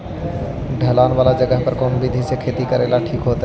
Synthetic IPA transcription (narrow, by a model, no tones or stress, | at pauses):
ɖʱəlaːnʋaːlad͡ʒəɡəɦpəɾkoːnbʱid̪ʱisekʰeːt̪ikəɾelaʈʰiːkɦoːt̪e